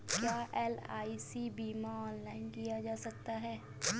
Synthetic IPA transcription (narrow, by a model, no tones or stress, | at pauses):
kjaːʔɛːlaːisibiːmaɔːnlaːɪnkijad͡ʒaːsɐk̚t̪aɦɛː